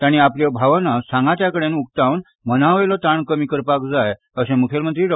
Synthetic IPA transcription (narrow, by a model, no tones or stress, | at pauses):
t̪aɽ̃iapljabʱaʋanasãŋɡat̪jakəɽẽnuk̚t̪awn | mənaʋejlɔt̪aɳkəmiːkəɾpakd͡zaj | əsɛ̃mukʰelmənt̪ɾiːɖ